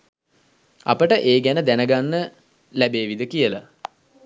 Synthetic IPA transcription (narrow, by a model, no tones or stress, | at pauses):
a̰pəʈəʔeːɡænəd̪ænəɡanːə | læbeːʋid̪əkijəla̰